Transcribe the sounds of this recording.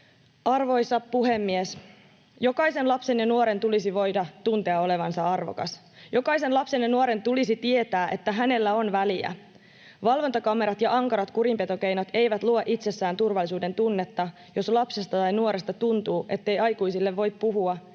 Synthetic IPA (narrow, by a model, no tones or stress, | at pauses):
ʔɑrʋo̞jsɑpuɦe̞mːies | jo̞kɑise̞nlɑpse̞njɑnuoɾe̞nt̪ulisiʋo̞jdɑt̪unt̪e̞ɑo̞le̞ʋɑnsɑɑrʋo̰kɑ̰s | jo̞kɑise̞nlɑpse̞njɑnuoɾe̞nt̪ulisit̪ie̞t̪æːʔe̞t̪ːæɦæne̞lːæo̞nʋæliæ̰ | ʋɑlʋo̞nt̪ɑkɑme̞ɾɑt̪jɑʔɑŋkɑɾɑt̪kuɾimpe̞t̪o̞k̟ejnɑt̪e̞jʋæt̪luɑʔit̪se̞sːæːnt̪urʋɑlːisuːde̞nt̪unːe̞t̪ːɑ | jo̞slɑpse̞st̪ɑt̪ɑjnuoɾest̪ɑt̪unt̪uːʔe̞t̪ːe̞jɑjkuisilːeʋːo̞jp̪̚puɦuɑ